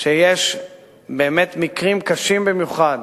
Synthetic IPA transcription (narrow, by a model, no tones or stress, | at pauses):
ʃejeʃ | be̞ːme̞t̪mikʁimkaʃimbimjuχad̪